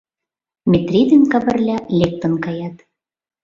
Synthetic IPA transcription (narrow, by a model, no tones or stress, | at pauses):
mʲet̪rʲid̪ɘ̆nkɑβɘ̆rlʲælʲek̚t̪ə̆nkɑjɑt̪